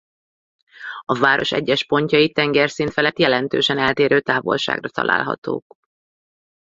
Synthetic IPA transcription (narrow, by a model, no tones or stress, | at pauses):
ɒvaːɾo̞̰ʃɛ̰ɟːɛʃpo̞ɲcɒjit̪ɛŋɡɛrsint̪fɛlɛt̪jɛlɛnt̪øːʃɛnɛlt̪eːɾøːt̪aːvo̞̰lʃa̰ːɡrɒt̪ɒ̰la̰ːlɦɒ̰t̪o̰ːk